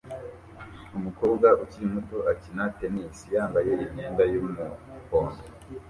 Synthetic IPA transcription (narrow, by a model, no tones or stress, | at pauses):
umuko̞ːbɡaʔuciɾimuto̞ʔacinatenisijaːmbaje̞iɲɲeːndajomuhoːndo